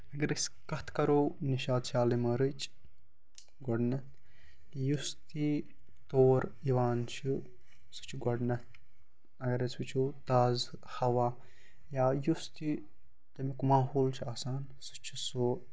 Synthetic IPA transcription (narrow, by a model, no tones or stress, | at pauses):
ɐɡɐɾɨskɐt̪ʰkɐɾowniʃaːd̪t͡ʃʰaːlimɐɾɨt͡ʃʰ | ɡɔɖnɐt̪ | just̪i | t̪oːɾiʋaːnt͡ʃʰi | sɨ̥t͡ʃʰiɡɔɖnɐt̪ | ɐɡɐɾɐt͡sit͡ʃʰut̪aːz | hɐʋaː | jaːjust̪i | t̪ɐmikmaːɦoːlt͡ʃʰiaːsaːn | sɨt͡ʃʰiso